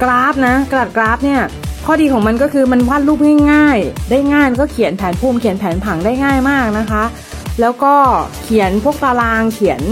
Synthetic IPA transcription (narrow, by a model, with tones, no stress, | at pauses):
kɾaː˦˥p̚na˦˥ka˧da˨˩t̪̚kɾaː˦˥p̚ni˥˩ɐkʰɔː˥˩diː˧kʰɔː˩˦ma˧nkɔː˥˩kʰɯː˧ma˧nwaː˥˩nluː˥˩p̚ŋaː˥˩jŋaː˥˩jdaː˥˩jŋaː˥˩jkɔː˥˩kʰi˨˩˦npʰɛː˩˦npʰuː˧˩mkʰi˩˦npʰɛː˩˦npʰa˩˦ŋdaː˥˩jŋaː˥˩jmaː˥˩k̚na˦˥kʰa˦˥ʔ | lɛː˦˥wkɔː˥˩kʰi˩˦ənpʰu˥˩ək̚t̪aː˧laː˧ŋkʰi˩˦ən